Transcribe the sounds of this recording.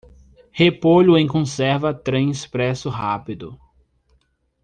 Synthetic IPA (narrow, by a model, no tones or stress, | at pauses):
hepoʎʊẽkõsɛɾvɐt̪ɾẽj̃espɾɛsʊɦapid̪ʊ